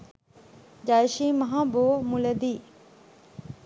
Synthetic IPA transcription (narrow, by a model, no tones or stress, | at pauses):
d͡ʒaːjʃimɐɦãːboːmuləd̪iː